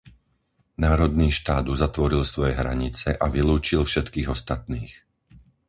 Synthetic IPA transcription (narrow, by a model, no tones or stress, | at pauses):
naːɾɔd̪niːʃt̪aːd̪uzat̪ʋɔɾilsʋɔjɛɦɾa̰ɲit͡sɛʔaʋiluːt͡ʃilfʃɛt̪kiːɣɔst̪at̪̚niːx